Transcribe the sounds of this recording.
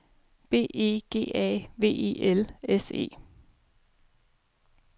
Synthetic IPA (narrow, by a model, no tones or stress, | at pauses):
b̥e̝̰ːʔe̝̰ːɡ̥e̝̰ːɛ̰ːʋe̝̰ːḛːʔelese̝̰ː